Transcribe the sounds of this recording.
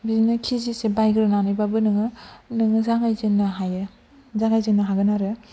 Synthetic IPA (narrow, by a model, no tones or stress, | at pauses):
biznɯkʰizisebajɡɯɾɯnanajbabɯnɯŋɯnɯŋɯzaŋajzɯnːɯɦajɯ | zaŋajzɯnɯɦaɡɯnaɾɯ